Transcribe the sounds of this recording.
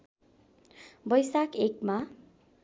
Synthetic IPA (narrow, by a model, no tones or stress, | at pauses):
bʌjsakekma